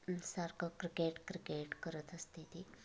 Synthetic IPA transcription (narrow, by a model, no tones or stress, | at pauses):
saɾkəkɾikeʈkɾikeʈkəɾət̪əst̪it̪i